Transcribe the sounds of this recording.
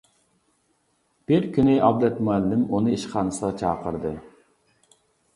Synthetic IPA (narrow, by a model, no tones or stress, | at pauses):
b̥ɪɾkʲynɪʔɑbd̪ɛt̪muælːɪmunɨiʃqʰɑːnɨsəʁɑt͡ʃʰɑ̰ːqəɾd̪ɨ